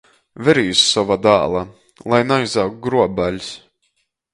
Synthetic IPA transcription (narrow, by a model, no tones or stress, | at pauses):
vʲɛɾijusːɔvad̪a̰ːlˠa | lˠajnajzawk̚ɡɾuɔbalʲs